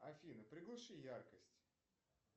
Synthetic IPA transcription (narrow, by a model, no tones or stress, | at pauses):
ɐfʲinɨpɾʲɪɡlˠɨʂɨjarkəsʲtʲ